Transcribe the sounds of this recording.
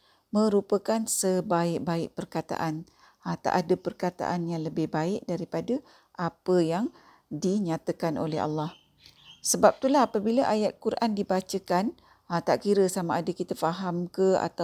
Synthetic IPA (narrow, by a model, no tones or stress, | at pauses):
mə̃ɾupəkansəbaɪʔ̚baɪk̚pərkat̪a̰ʔan | t̪a̰ʔadəpərkat̪a̰ʔanjaŋləbɪhbaɪk̚daɾipadə | ʔapəjaŋ | diɲãt̪əkanʔo̰lɛɦa̰lːah | səbap̚t̪ulaɦapəbiləʔajat̪̚kuɾʔandibat͡ʃəkan | t̪aʔkiɾəsamaadəkit̪afaɦamkəa̰t̪a